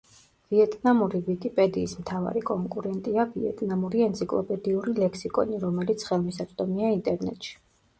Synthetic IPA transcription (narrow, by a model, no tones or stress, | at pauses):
viɛt̪ʼnamuɾivikʼipʼɛd̪iːsmt̪ʰava̰ɾikʼɔŋkʼuɾɛnt̪ʼiaviɛ̰t̪ʼnamuɾiɛnt̪sʰikʼlˠɔ̰pʼɛd̪iuɾilɛksikʼɔ̰niɾɔmɛlit̪sʰχɛlˠmisat̪sʼd̪ʼɔmiaint̪ʼɛɾnɛ̰t̪ʼʃi̥